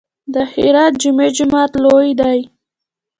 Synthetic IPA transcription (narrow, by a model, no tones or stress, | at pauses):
d̪əhɪɾɑt̪̚d͡ʒʊmed͡ʒʊmɑt̪lojd̪aj